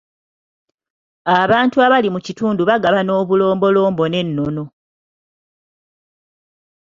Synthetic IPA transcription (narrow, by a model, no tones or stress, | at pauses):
aβaːntuaβalimucituːnduβaɡaβano̞ːβulo̞ːmbo̞lo̞ːmbo̞ne̞nːo̞no̞